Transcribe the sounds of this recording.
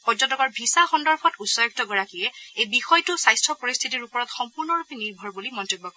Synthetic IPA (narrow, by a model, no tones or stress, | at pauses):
pɔzɔtɔkɔɹbʱisaxɔndɔɹpʰɔtusɔjɔk̚tɔɡɔɹakijɛejbixɔjtʊsajstʰɹɔpoɹist̪ʰitiɹupɔɹɔtxɔmpuɹnɔɹupiniɹbʱɔɹbulimɔntibːɔkɔɹɛ